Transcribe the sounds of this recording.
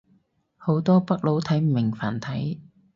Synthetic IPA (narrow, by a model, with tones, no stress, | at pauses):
ho˨˥wt̪ɔː˥pɐ˥k̚lo˨˥wt̪ʰɐ˨˥jm̩˨mɪ˨˩ŋfaː˨˩nt̪ʰɐ˨˥j